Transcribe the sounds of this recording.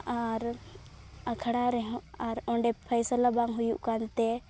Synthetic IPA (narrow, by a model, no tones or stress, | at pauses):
aɾ | akʰəɽaɾɛɦɔ̃aɾɔ̃ɳɖɛpʰəjsəlabaŋɡɦujṵʔkant̪ɛ